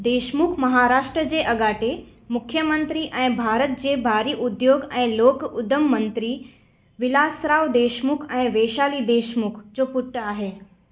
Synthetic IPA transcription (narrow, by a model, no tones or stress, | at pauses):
d̪eːʃmukʰmɐɦaɾaːʂʈɾəd͡ʑeʔɐɡaːʈemʊkʰjəmənt̪ɾiʔɛ̃ɪ̃bʱaːɾət̪̚d͡ʑeːbʱaːɾiʔʊd̪joːɡɛ̃ɪ̃loːkʊd̪əmːənt̪ɾi | ʋɪlaːsɾaːʋd̪eːʃmukʰɛ̃ɪ̃ʋeːʃaːlid̪eːʃmʊkʰd͡ʑoːpʊʈːəaːɦeː